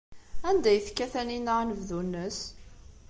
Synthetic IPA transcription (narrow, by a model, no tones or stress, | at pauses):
ænd̪æjθkːæθæninaʁnəvðunːəs